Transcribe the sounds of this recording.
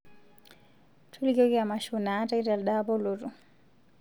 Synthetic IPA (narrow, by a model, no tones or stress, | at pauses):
tʰulɡɔɡiamaʃunaːtaidalɗabɔlotu